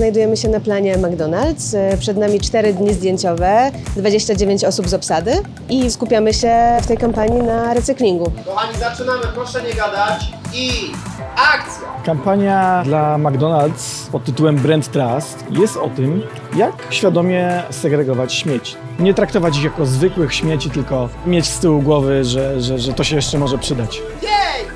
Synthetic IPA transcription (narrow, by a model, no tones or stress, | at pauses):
znajd̪ujɛmɘɕɛnaplaɲɛmaɡd̪ɔnalt̪spʂɛd̪namʲit͡ʂt̪ɛɾɘd̪ɲizd̪ʲjeɲt͡ɕɔvɛd̪vad͡ʑeɕt͡ɕad͡ʑevʲeɲt͡ɕɔsubzɔpsad̪ɘ | iskupʲjamɘɕɛft̪ɛjkampaɲinaɾɛt̪sɘklʲiŋɡubɔaɲizat͡ʂɘnamɘpɾɔʂɛɲɛɡad̪at͡ɕi | akt̪sʲjɛkampaɲjad̪lamaɡd̪ɔnalt̪spɔt̪ːɘt̪uwɛmbɾɛnt̪ːɾast̪jɛst̪ɔt̪ɘm | jakɕfʲjad̪ɔmʲjɛsɛɡɾɛɡɔvat͡ɕɕmʲjet͡ɕi̥ | ɲɛt̪ɾakt̪ɔvat͡ɕixjakɔzvɘkwɘxɕmʲjet͡ɕit̪ɘlkɔmʲjet͡ɕst̪ɘwuɡwɔvɘʐɛʐɛʐɛt̪ɔɕɛjɛʂt͡ʂɛmɔʐɛpʂɘd̪at͡ɕ | jɛj